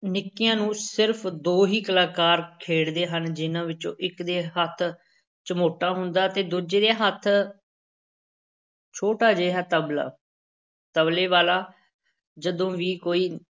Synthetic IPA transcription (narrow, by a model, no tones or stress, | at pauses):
nɪkːɪjãːnũːsɪɾpʰd̪oːɦiːkəlaːkaːɾkʰeːɽd̪eːɦənd͡ʒɪnãːʋɪt͡ʃõ̰ːʔɪkd̪eːɦət̪ʰ | t͡ʃəmoːʈaːɦʊnd̪aːt̪eːd̪od͡ʒeːd̪eːɦət̪ʰ | t͡ʃʰoːʈaːd͡ʒeːɦaːt̪əbla̰ː | t̪əbleːʋaːlaː | d͡ʒəd̪õːʋiːkoːiː